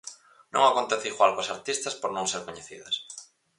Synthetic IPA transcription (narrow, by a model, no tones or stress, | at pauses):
nõ̰ŋakont̪eθeiɣwalkoasaɾt̪ist̪ɐspoɾnõŋseɾkoɲeθiðɐs